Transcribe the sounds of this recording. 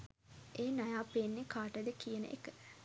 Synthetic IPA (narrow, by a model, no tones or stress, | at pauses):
ʔeːnajaːpenːekaːʈəd̪əkijənə̰ʔḛkə